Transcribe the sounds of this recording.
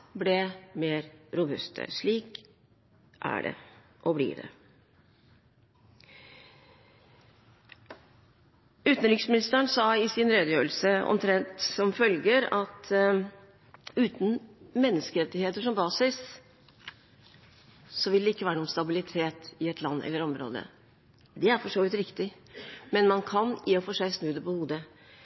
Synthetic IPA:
blɛmeːɾɾʊbʉst̪ʰə̰ʂɭiːk | ʔæ̰ɖɛ̰ | ʔɔblḭːd̪ɛ̰ | ʉːt̪nɾɪksmɪnɪst̪əɳsɑːɪsɪnɾeːd̪əjøːlsəɔ̰mt̪ʰɾɛnt̪sɔmfœlɡəɾɑt̪ʰ | ʉːt̪n̩mɛnːəskəɾɛt̪ːɪheːt̪əʂɔmbɑːsɪs | sɔʋɪld̪ɛɪkːəʋæːɾəɔmst̪ɑbɪlɪt̪ʰeːt̪ɪɛt̪ʰlɑnːɛ̰lːəɾɔmɾo̰ːd̪ə̰ | d̪ɛæɾfɔʂoːʋɪt̪ɾɪkt̪ɪ | mɛnmɑnkʰɑnjiːɔfoːʂæɪsnʉːd̪əpɔhuːd̪ə

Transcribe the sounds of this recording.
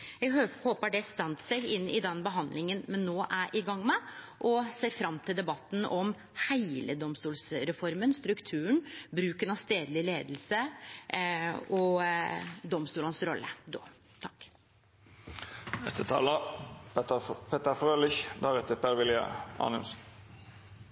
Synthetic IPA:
jɛɡhoːpəɖɛst̪ɛnt̪sɛɡɪnːɪd̪ɛnbəɦɑnd̪lɪŋənmɛnːoːʔæɾʔɪɡɑŋːmɛ | ʔɔseːɾfɾɑmːt̪ʰɪld̪ɛbɑt̪ːn̩ɔm | hæɪləd̪ɔmst̪uːlsɾɛfɔɾmənst̪ɾʉkt̪ʰʉːəɳbɾʉːkənɑst̪eːd̪lɪleːd̪l̩sə | ɔ | d̪ɔmst̪uːlənsɾɔlːə̰d̪o̰ː | t̪ʰɑkː | nɛst̪ət̪ʰɑ̰ːlə | pʰeːt̪əfʁøːlɪçd̪æːʁɛt̪əpʰæɾʋɪlɪə̰ɑ̰ːnɪ̰ms

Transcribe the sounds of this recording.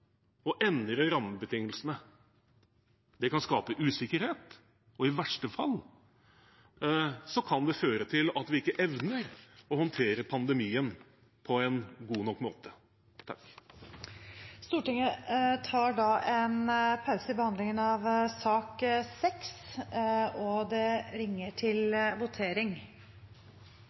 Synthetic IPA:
ɔʔɛnd̪ɾəɾɑmːəbət̪ʰɪŋːəlsənə | d̪ɛkɑnskɑːpəʔʉːsɪkːəɾheːt̪ | ɔɪʋæʂʈəfɑ̰l | sɔkʰɑnd̪ɛføːɾət̪ʰɪlɑt̪ʋɪɪkːəʔɛʋnəɾɔhɔnt̪ʰeːɾəpʰɑnd̪ɛmiːən | pʰɔɛnɡuːnɔkːmo̰ːt̪ə | t̪ʰɑ̰kː | st̪uːʈɪŋət̪ʰɑːɖɑʔɛnpʰɑʉsəɪbəhɑnd̪lɪŋənɑʋsɑːksɛks | ɔd̪ɛɾɪŋːəʈʰɪlʋʊt̪ʰeːɾɪŋ

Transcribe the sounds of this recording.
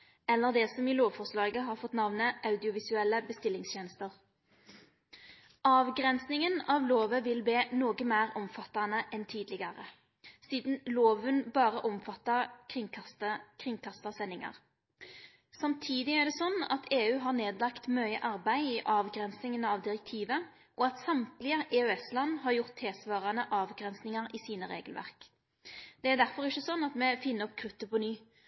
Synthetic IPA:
ɛlːəʁd̪ɛsɔmiːloːʋfɔʁslɑːɡəɦɑʁfɔt̪nɑʋnəʔɑʉd̪ɪʊʋɪsʉɛlːəbəst̪ɪlːɪŋst̪ʰjɛːnəst̪əʁ | ʔɑːʋɡʁɛnsnɪŋənɑːʋloːʋəʋɪlbeːnoːɡəmæːʁɔmfɑt̪ːɑnəʔɛnt̪ʰiːd̪lɪɡɑʁə̰ | siːd̪n̩loːʋənbɑːʁəʔɔmfɑt̪ːɑkʰɪŋʰɑt̪kʰʁɪŋkʰɑst̪ɑsɛnːɪŋɑ̰ʁ | sɑmt̪ʰiːd̪ɪæʁd̪ɛsɔnːɑ̰t̪ʰeːʉːɦɑʁneːd̪lɑkt̪mœʏə̰ʔɑʁbæɪiʔɑːʋɡɾɛnsnɪŋənəɑʋd̪ɪʁɛk̚t̪ʰiːʋə | ʔɔɑt̪sɑmt̪lɪəʔɛːœɛslɑnːɦɑɾjʊʁt̪ʰːeːsʋɑːʁɑnəʔɑːʋɡʁɛnsnɪŋɑɾɪsiːnəʁḛːɡəlʋæ̰ʁk | d̪̥ɛæɾd̪æʁfɔʁɪçːəsɔnːɑt̪mɛfɪnːəɔp̚kʰʁʉt̪ːəpʰɔnyː

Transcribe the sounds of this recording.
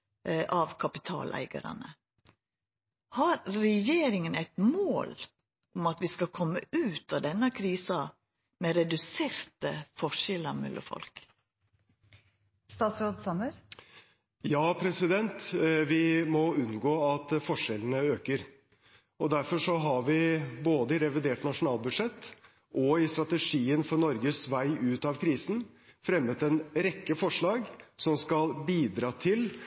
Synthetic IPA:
ʔɑʋkʰɑpɪt̪ʰɑ̰ːlʔæ̰ɪɡə̰ɾɑ̰nə | hɑɾɾɛjeːɾɪŋənæɪt̪mooːl | ʊmɑt̪ʋɪskɑkʰɔmːə̰ʉːt̪ɑd̪ɛnːəkʰɾiːsɑ | mɛɾɛd̪ʉseːɾt̪əfɔʂɛlɑmɛ̰lːɔ̰fɔ̰lk | st̪ɑːt̪sɾoːd̪sɑməɾ | jɑːpʰɾɛsɪd̪ɛnt̪ʋɪmɔʉnɡoːɑt̪fɔʂɛlənəøːkəɾ | ɔd̪æɾfɔʂɔɦɑɾʋɪboːd̪əɪɾɛʋɪd̪eːʈnɑʂʊnɑːlbʉd̪ʂɛt̪ː | ʔɔɪst̪ɾɑt̪əʂiːənfɔnɔɾɡəsʋæɪʔʉːt̪ɑʋkʰɾiːsn̩fɾɛmːət̪ɛnɾɛkːəfɔʂɭɑːɡsɔmskɑlbiːd̪ɾɑːt̪ʰɪl

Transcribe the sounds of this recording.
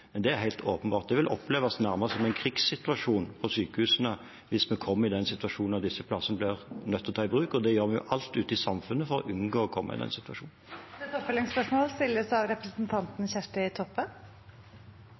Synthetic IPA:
mɛnd̪ɛæɾɦæɪt̪ʰoːpənbɑːt̪̚d̪ɛʋɪlʔɔ̰pleːʋɑsnæɾmɑʁsɔmɛɪnkʰɾiːɡsːɪt̪ʉɑʂuːnpʰɔsyːkəhʉːsənə | ʋɪsmɛkʰɔmːəɾɪd̪ɛnsɪt̪ʉɑʂuːnɑt̪d̪ɪsːəpʰlɑsːənəblɪʁnœt̪ʰːɔt̪ʰɑːɪbʁʉːkɔd̪ɛjøːʁmɛjʊ̰ʔɑlt̪ʉːt̪əɪsɑmfʉnːəfɔɾɔ̰ʔʉnɡoːɔkʰɔmːɑ̰ɪ̰d̪ɛ̰nsɪt̪ʋɑʂuːnɛt̪ɔpfɛlɪŋspœʂmoːlst̪ɪlːəsɑʋɾɛpɾəsnt̪ʰɑnt̪nçæʂʈəɪt̪ʰɔpːən

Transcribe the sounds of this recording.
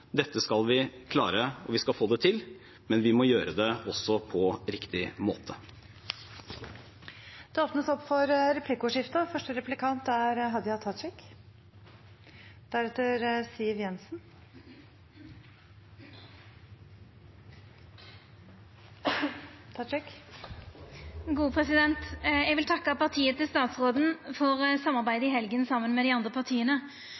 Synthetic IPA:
d̪ɛt̪ːəskɑlʋɪkʰlɑ̰ːɾəɔ̰ʋɪskɑlfoːd̪ɛt̪ʰɪl | mɛnʋɪmɔjøːɾəd̪ɛɔsːɔpʰɔɾɪkt̪ɪmoːt̪ʰə | d̪̥ɛoːpnəsɔpːfɔɾɾɛpʰlɪkʊʂɪft̪əfœʂʈəɾɛplɪkʰɑnt̪æɾɦɑd̪jhɑt̪ʰːɑt̪ɾɪk | d̪̥æɾɛt̪ːəɾsiːəʋjɛnsn | t̪ʰɑɾɪk | ɡuːpʰʁɛsɪd̪ɛnt̪jɛɡʋɪlt̪ʰɑkːəpɑʁt̪ʰiːət̪ɪlst̪ɑːt̪sʁoːd̪n̩fɔʁsɑmːɑʁbæɪd̪əɪɦɛlɡənsɑmːənmɛd̪ɪɑnd̪ʁəpɑʁt̪ʰiːənə

